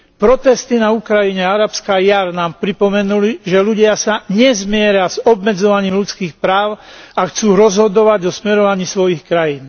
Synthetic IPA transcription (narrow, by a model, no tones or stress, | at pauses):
pɾɔt̪ɛst̪inaukɾajiɲɛaɾapskajaɾnaːmpɾipɔmɛnuliʒɛluɟɪasaɲɛzmɪɛɾɪazɔbmɛd͡zɔʋaɲiːmʎut͡skiːxpɾaːʊaxt͡suːɾɔzɦɔd̪ɔʋaɟɔsmɛɾɔʋaɲiːsʋɔjixkɾajiːn